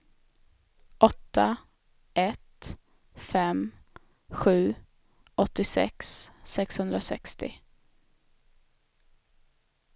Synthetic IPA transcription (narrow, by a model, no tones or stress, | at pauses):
ʔɔt̪ːa | ʔɛt̪ | fɛm | ɧʉ̟ː | ɔt̪ːɪsɛ̰ksːɛkshɵnd̪ɾasɛ̰kst̪ɪ̰